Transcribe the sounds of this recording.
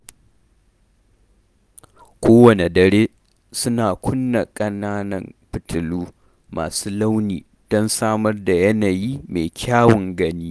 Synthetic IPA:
kʷoː˦wɐ˨ne˨dɐ˨ɾeː˦ | sʊ˦naː˨kʷʰʊ˦nːa˨kʼɐ˦naː˦nɐ˦mɸɪ˨tʰʊ˨luː˦ | ma̰ː˨suː˦la˦wniː˨ | d̥ɔ˦nsaː˦mɐ˦rda˨jɐ˦naː˨jiː˦meː˨kʲʰaː˦wʊ˨ŋɡɐ˦niː˦

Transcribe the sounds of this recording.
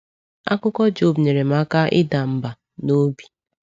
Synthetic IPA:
a̰˦kʊ˦kɔ˦d͡ʒo˦˨bɲe˨ɾe˨m̩˦a˦ka˦ʔɪ̰˦da˨m̩˦ba˨ | no˦bi̥˨

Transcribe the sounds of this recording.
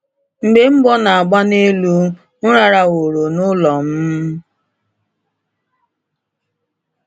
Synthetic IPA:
m̩˨ɡ͡be˦m̩˦bɔ˦na˨a˨ɡ͡ba˦ne˦lu˦ | n̩˦ɾa˨ɾa˨wo˨ɾo˨nʊ˦lɔ˨m̩˦

